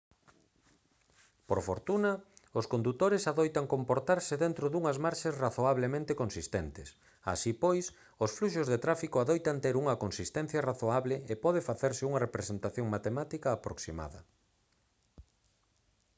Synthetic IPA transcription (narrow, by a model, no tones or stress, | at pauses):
poɾfoɾt̪unɐʊskond̪ut̪oɾɪsaðojt̪ɐŋkompoɾt̪aɾsɪðent̪ɾʊðuŋɐzmaɾʃasraθoaβlemẽnt̪ekonsist̪ent̪ɪs | a̰sipojs | osfluʃozðet̪ɾafikoaðojt̪ant̪eɾuŋɐkonsist̪ɛn̟θjɐraθoaβleepɔð̞ɪfaθeɾsɪuŋɐrepɾesent̪aθjoŋmat̪emat̪ikɐːpɾoksima̰ðɐ̰